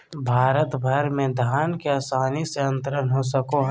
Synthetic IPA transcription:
bʱaːɾət̪bʱɐɾmẽd̪ʱaːnkeaːsaːniseə̃nt̪ɾənɦosəkoɦ

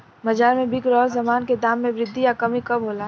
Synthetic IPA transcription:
mɐd͡ʒaːɾmẽbɪkɾɔːɾzɐmaːnked̪aːmːẽʋɾɪd̪ʱːijakɐmikɐbɦoːlaː

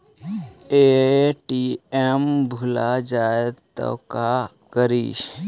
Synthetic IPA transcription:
eʈiembʱʊlad͡ʒaːet̪ːo̰kakəɾiːʃ

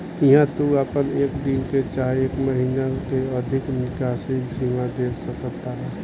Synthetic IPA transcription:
ɪɦãt̪uapəneːkd̪ɪnket͡ʃaːeːkməɦiːnakeəd̪ʱɪknɪkaːsiksimad̪eːɾsəkəɾt̪aɦɛː

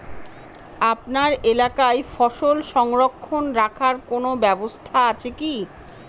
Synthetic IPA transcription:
apnaɾelakajfɔʃolʃɔŋɾokʰːonɾakʰaɾkonobɛbost̪ʰaat͡ɕʰeki

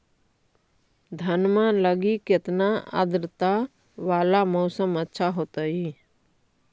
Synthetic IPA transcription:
d̪ʱənmãləɡikɪt̪naa̰d̪ɾɪt̪a | ʋaːlamɔʊsəmətːʃʰaɦoːt̪əi

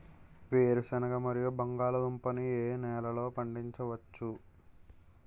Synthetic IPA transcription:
ʋeːɾusɐnɐɡɐmɐɾijubɐŋɡaːlɐd̪umpɐnieːnɛːlɐlo̞ːpɐɳɖiɲt͡ʃɐʋɐt͡ʃːu

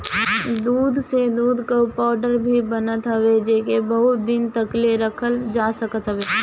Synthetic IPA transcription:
d̪uːd̪ʱsed̪uːd̪ʱkopɔːɾɖəɾbʱibɐnət̪ɦɐʋed͡ʒeːkebəɦʊt̪̚d̪ɪnt̪əkleɾɐkʰəld͡ʒaːsɐkət̪ɦəʋeː

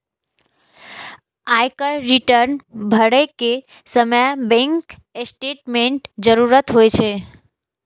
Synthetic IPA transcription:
ajkəɾiʈəɾnbʱəɽeke | səməjbɛ̃ŋk | sʈeʈmeɳʈd͡ʒəɾuɾət̪ɦojt͡ʃʰe

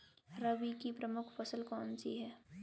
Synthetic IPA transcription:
ɾɐʋikipɾɐmʊkʰfɐsəlkɔːnsḭɦɛː

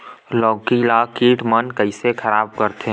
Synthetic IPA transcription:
lɔːkilaːkiːʈmənkəɪsekʰəɾaːb̚kəɾt̪ʰe

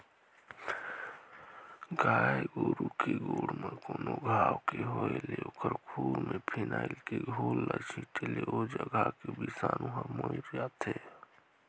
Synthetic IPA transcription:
ɡaːeɡoːɾukeɡoːɽməkoːnoɡʱaːwkeɦoeleokʰəɾkʰuːɾmẽpʰinaːilkeɡʱoːlːat͡ʃʰiʈeleod͡ʒəɡʱakebisaːnuɦəmoiɾjat̪ʰe

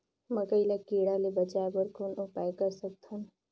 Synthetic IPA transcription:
məkəɪlakiɽalebət͡ʃabəɾkonupajkəɾsək̚t̪ʰun

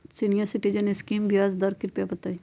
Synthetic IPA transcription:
sinijəɾsɪʈid͡ʒəneskiːmbjaːzd̪ɐɾkɪɾpjabɐt̪ai

